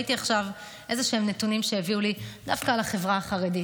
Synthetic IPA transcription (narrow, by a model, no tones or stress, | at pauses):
it̪iaχʃav | ʔe̞zeʃeemnetunimʃeeviulid̪afkalaχe̞vʁaaχaʁedi